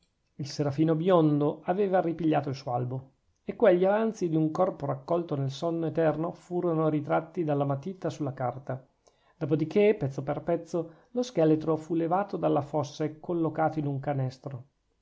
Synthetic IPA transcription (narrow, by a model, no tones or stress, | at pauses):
ilseɾafiːnobjond̪oaveːvaripiʎːaːt̪oilsuoalbo | ekːweʎːiavant̪sid̪iuŋkɔrpoɾakːɔlt̪onelsɔnːoet̪ɛrnofuːɾonoɾit̪ɾat̪ːid̪alːamat̪it̪ːasulːakart̪a | d̪̥oːpod̪ikʰepːɛt̪sːoperpɛt̪sːo | loskɛlet̪ɾofulevaːt̪od̪alːafɔsːekʰolːokaːt̪oinuŋkanɛst̪ɾo